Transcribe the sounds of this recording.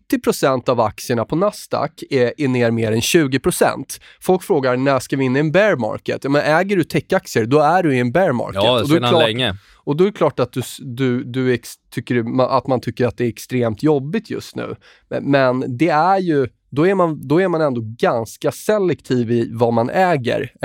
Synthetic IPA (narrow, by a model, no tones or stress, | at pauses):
t̪ːɪpʰɾʊsɛnt̪ava̰k̚sɪəɳapʰɔnast̪a̰kːɛʔɛneːɾmeːɾɛnɕʉ̟ːɡɪpʰɾʊsɛ̰nt̪ | fɔlkfɾoːɡaɾnæʂkavɪɪnːaɛnbæɾmɑ̰ɾkə̰t̪jɑːmɛnɛːɡəɖɵt̪ʰɛkːak̚sɪəɾd̪ɔæɖɵɪɛnbæɾmɑ̰ɾkɔd̪ɔlɛ | ɔd̪ɔɛɾkʰlɑːʈat̪̚d̪ɵd̪ɵd̪ɵɛkst̪ʰʏkːəɾmaʔa̰t̪mant̪ʰʏkːəɾat̪̚d̪ɛːɾɛkst̪ɾeːmt̪jɔbːɪt̪ʰjɵ̰st̪nʉ̟̰ː | mɛnd̪ɛæɾjɵ | d̪ɔæɾmand̪ɔæɾmanɛnd̪oɡanskasɛlːɛkt̪ʰiːvɪvamanʔɛːɡə̰ɾ